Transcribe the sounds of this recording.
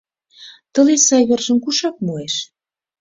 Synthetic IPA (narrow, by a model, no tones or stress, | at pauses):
t̪ə̆lesɑjβerʒə̆mkuʃɑk̚mueʃ